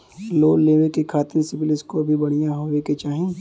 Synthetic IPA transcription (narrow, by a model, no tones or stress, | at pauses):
loːleːʋekekʰaːt̪ɪnsɪbɪlɪskoɐbʱibɐɽ̤̃ijaɦoːʋeket͡ʃaːɦẽ